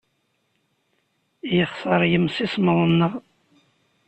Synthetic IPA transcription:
jəχsəɾˤjəmsisməðˤənːəʁ

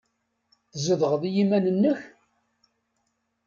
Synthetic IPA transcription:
θzəðʁəðijimænənːəç

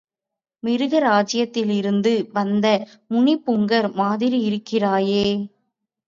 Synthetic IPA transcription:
mɪɾɯɣɐɾaːd͡ʒɪjɐt̪ːɪlɪɾɯnd̪ɯʋɐnd̪ɐ | mʊɳɪpːʊŋɡɐɾmaːðɪɾiɪɾɯkːɪraːjeː

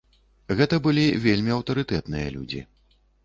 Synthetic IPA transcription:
ɣɛt̪ɐbɨlʲivʲelʲmʲiɐwt̪ɐɾɨt̪ɛt̪nɨjɐlʲṵd͡zʲḭ

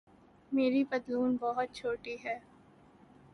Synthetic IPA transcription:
meːɾibɐd̪luːnbɔɦʊt̪̚t͡ʃʰoːʈiɦɛː

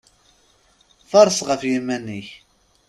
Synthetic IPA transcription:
θɑɾˤsˤʁəfjimænːiç

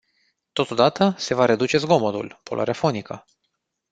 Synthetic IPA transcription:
t̪o̞t̪o̞d̪at̪əse̞vaɾe̞d̪ut͡ʃe̞zɡo̞mod̪ṵlpo̞lo̰ʔa̰ɾeafo̞nikə

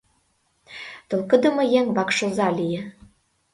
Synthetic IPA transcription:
t̪ɤ̆lkə̆d̪ə̆mɤ̆jæŋβɑkʃɤ̆zɑlijĕ

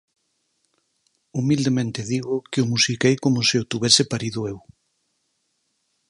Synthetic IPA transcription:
umild̪emẽnt̪ɪðiɣʊkɪʊmusikejkomʊseot̪uβɛsɪpaɾiðʊew

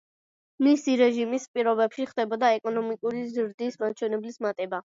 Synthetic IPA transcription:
misiɾɛʒimispʼiɾɔbɛpʃiχd̪ɛbɔd̪aɛkʼɔnɔmikʼuɾizɾd̪ismat͡ʃʰwɛnɛblismat̪ʼɛba

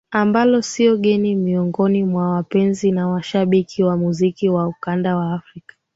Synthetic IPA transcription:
ambalɔsiɔɠɛnimiɔŋɡɔnimwawapɛnzinawaʃaɓikʰiwamuzikiwaukandawaːfɾikḁ

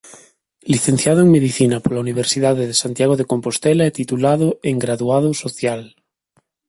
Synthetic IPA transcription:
liθenθjaðoeŋmeðiθinapoɾlauniβ̞eɾsiðaðeðesant̪jaɣ̞oðeko̞mpost̪elaet̪it̪ulaðoeŋɡɾaðuað̞osoθjal

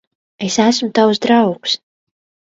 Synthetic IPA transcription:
esæsmut̪awsd̪ɾawks

